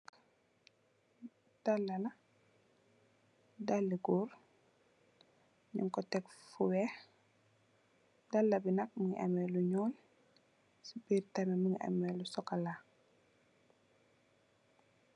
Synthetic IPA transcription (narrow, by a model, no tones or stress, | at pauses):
d̥alːɐlɐ | dalːiɡuːr | ɲṵŋkɔtɛkfuwɛx | dɐlːɐbinɐk̚məŋiʔɐ̰mɛluɲɔːl | sibiːrtɐmɛməŋiʔɐ̰mɛlusɔkɐla